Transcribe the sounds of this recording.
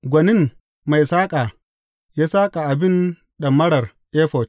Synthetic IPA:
ɡʷɐ˨nɪ˦˨ŋ | ma˨jsaː˦kʼaː˨ | jaː˦saː˦kʼa˨ʔa˨bɪ˦˨n | ɗɐ˨mːɐ˦ɽɐ˨r | ʔeː˦ɸɔ˨t͡ʃ

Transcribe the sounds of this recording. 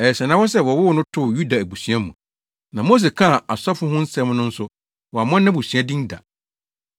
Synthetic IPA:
ɛ˨sɛ˨nã˨˦wɔ˦sɛ˦wɔ˨wʊ˦wɔ˦nʊ̃˦tʰʊ˦˨ju˦da˨æ˨bu˨sɥa˦mũ˨ | nã˨mo˦s̬e˨kʰã˦˨a˨sɔ˦fʊ̃˦ɦʊ̃˦n̩˦sɛ̃˦m˦nʊ̃˦n̩˦sʊ˦ | wɔ˨a˨mɔ̃˦nː˦ã˦bu˨sɥa˦dĩ˦nda̰˨

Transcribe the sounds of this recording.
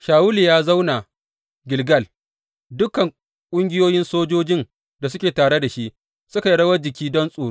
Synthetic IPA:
ʃaː˨wʊ˦ljaː˦za˦wna˨ | ɡʲɪ˨lɡɐ˦˨l | dʊ˦kɐ˨ŋ | kʷʼʊ˦ŋɡʲɪ˦joː˦jɪ˦nsoː˦d͡ʒoː˦d͡ʒɪ˦n | da˨sʊ˦kʲeː˨taː˨ɽe˦da˨ʃi˦ʔ | sʊ˦ka˨jɽɐ˦wɐ˦d͡ʒɪ˨kʲiː˦dɔ˦nsʼoː˨˦

